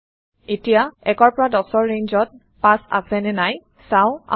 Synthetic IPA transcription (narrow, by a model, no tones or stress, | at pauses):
etijaɛkɔɹpɔɹadɔsɔɹːeɲzɔt̚ | pãsa̰sɛnɛnaj | saʊ̃a̰